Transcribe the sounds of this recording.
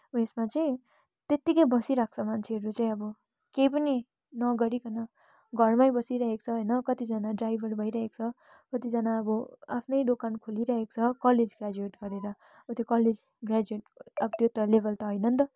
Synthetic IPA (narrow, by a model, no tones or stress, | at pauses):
esmat͡saĩ | t̪et̪ːikʌjbʌsiɾak̚ʰt͡sʰʌmant͡sʰeɦʌɾut͡saĩʌbʌ | kejp̬ʌni | nʌɡʌɾikʰʌnʌ | ɡʱʌrmajbʌsiɾʌɦek̚t͡sʰʌɦʌjnʌkʌt̪id͡zʌnaɖrajbʱʌrbʱʌjɾʌɦekt͡sʰʌ | kʌt̪id͡zʌnaʌbʌapʰnʌjɖokankʰuliɾʌɦekt͡sʰʌkʌled͡zɡrad͡zueʈɡʌɾeɾʌ | ʌbʌt̪jokʌled͡z | ɡrad͡zueʈ̚ʌbʌt̪jot̪ʌlebʱʌlt̪ʌɦʌjnʌnt̪ʌ